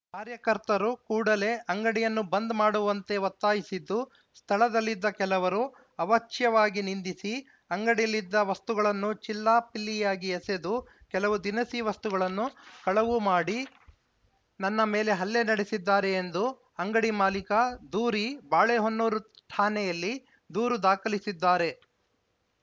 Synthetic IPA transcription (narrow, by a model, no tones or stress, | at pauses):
kaːɾjɐkɐɾt̪ɐɾukuːɽɐle̞ʔɐŋɡɐɽijɐnːubɐnd̪maːɽuʋɐnt̪e̞ʋɐt̪ːaːjisid̪ːu | st̪ʰɐɭɐd̪ɐlːid̪ːɐkɛlɐʋɐɾu | ɐʋɐt͡ʃjɐʋaːɡinind̪isi | ɐŋɡɐɽijɐlːid̪ːɐʋɐst̪uɡɐɭɐnːut͡ʃilːaːpilːijaːɡiɛsed̪ukɛlɐʋud̪inɐsiʋɐst̪uɡɐɭɐnːukɐɭɐʋumaːɽi | nɐnːɐme̞ːle̞ɦɐlːenɐɽesid̪ːaːɾe̞ːnd̪u | ɐŋɡɐɽimaːlikɐd̪uːɾibaːɭeɦonːuːɾut̪ʰaːnɛjɐlːi | d̪uːɾud̪aːkɐlisid̪ːaːɾe̞